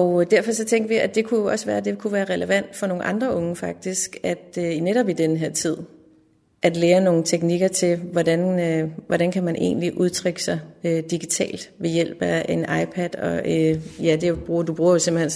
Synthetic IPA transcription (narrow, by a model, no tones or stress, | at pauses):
ɒʊd̥æɐfɒ̽sɒ̽t͡sʰeŋ̰ɡ̥ɐʋiædd̥e̝kʰujo̝ɒ̽səʋæːɐd̥e̝kʰuʋæːɐʁɛləʋæn̰d̥fɒ̽no̝ːn̩ʔɑ̈nd̥ʁɐʔɔ̽ŋəfɑ̈ɡ̥̚d̥isɡ̥æd̥øineɾɒ̽b̥id̥enəɦe̝ɐ̰t͡sʰið̰ˠ | ʔæd̥leːɐno̝ːn̩t͡sʰeɡ̥niɡ̥ɐt͡sʰe̝lʋɒdænʋɒɾænkʰæmænʔe̝̰ːnliʔuð̞ˠt͡sʰʁeɡ̥əsɑ̈ɪød̥iɡ̥it͡sʰɛ̰ːld̥ʋe̝jel̰b̥æenʔɑ̈ɪpʰæd̥ɒ̽øjæd̥e̝b̥ʁuːɐd̥ub̥ʁuːɐjo̝se̝mb̥l̩hen